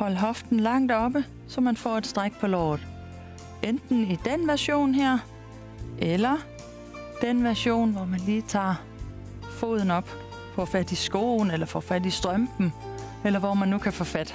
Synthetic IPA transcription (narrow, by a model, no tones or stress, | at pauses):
hɒ̽l̰ɦɒ̽fd̥n̩lɑ̈ŋ̰d̥ɒ̽b̥ə | sɒ̽mænfɒ̰ːe̝d̥sd̥ʁaɡ̥̚pʰɒ̽lɒ̰ːð̩ˠ | end̥n̩id̥enʋæɐɕo̝̰ːnɦeɐ̰ | ʔelɐ | d̥enʋæɐɕo̝̰ːnʋɒmænliːt͡sʰɑ̰̈ː | fo̝̰ːð̞ˠn̩ɒ̽b̥ | fɒfæd̥isɡ̥o̝̰ːn̩elɐfɒ̰ːfæd̥isd̥ʁɶmb̥m̩ | elɐʋɒmænːukʰæfɒfæd̥